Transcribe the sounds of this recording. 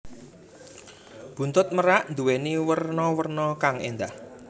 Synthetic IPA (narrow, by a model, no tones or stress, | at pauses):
b̥ṳnt̪ʊt̪̚məɾaʔnd̪uweniwərnɔwərnɔkaŋḛnd̪ah